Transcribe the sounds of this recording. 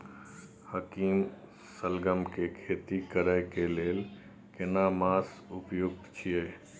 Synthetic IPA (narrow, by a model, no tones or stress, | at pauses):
həkiːm | səlɡəmkekʰeːt̪ikəɾəɪkeleːl | kɪnamaːs | ʊpjoɡ̚t̪t͡ʃʰije